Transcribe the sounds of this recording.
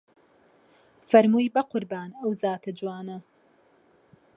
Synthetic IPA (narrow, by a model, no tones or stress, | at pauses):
fɐɾmuːjbɐqʊɾbaːnɐwzaːt̪ʰɐd͡ʒwaːnɐ